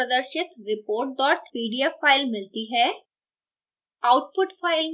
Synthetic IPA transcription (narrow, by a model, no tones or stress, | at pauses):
əd̪əɾʃɪt̪ɾɪpoːɾʈ̚ɖɔːʈʋiːɖijafaːɪlmɪlt̪iɦɛː | aʊʈ̚pʊʈfʰaːɪl